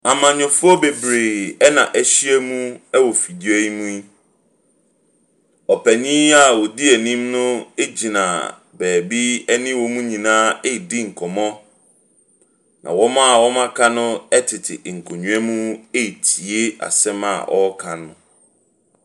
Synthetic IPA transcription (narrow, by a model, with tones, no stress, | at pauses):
a˨mã˨ɲʊ̃˨fʊ˦ɔ˦be˨bɾeː˨ɛ˦nã̰˨ʔæ˨ɕi˦ɛ˦mũ˦ɛ˦wɔ˨fi˨di˦ɔ˦ji˦mũ˦i˦ | ɔ˨pʰɛ˨ɲĩ˦a˦˨wɔ˨di˦ɛ˨nĩ˦mnʊ̃˦e˦d͡ʑi˨nã̰˨ | bæː˨bi˦ɛ˦nɪ̃˦wɔ̃˦mũ˦ɲĩ˨nãː˦e˦˨dɪ˦ŋ̩˨kʰɔ˨mɔ̃˦ | nã̰˨wɔ˦mã˦a˨wɔ˦mã˦kʰa˦nʊ̃˦ɛ˦tʰɪ˨tʰɪ˨ŋ̩˨kʰo˨ɲũ˦ɛ˦mũ˦e˦i˨tʰi˨e˦a̰˨sɛ̃˦ma̰˨ʔɔ˦kʰã˨nʊ̰̃˨